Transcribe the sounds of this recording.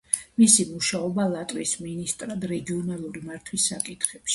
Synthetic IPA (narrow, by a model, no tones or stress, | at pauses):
misimuʃaɔbalˠat̪ʼwḭsminist̪ʼɾad̪ɾɛɡiɔnalˠuɾimaɾt̪ʰwisːakʼit̪ʰχɛpʃi̥